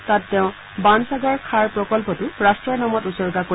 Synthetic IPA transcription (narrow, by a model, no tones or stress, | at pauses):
tatːɛ̃ʊ̃ | bansaɡɔɹkʰaɹpɹɔkɔlpɔtʊɹastɹɔɹnamɔtusɔɹɡako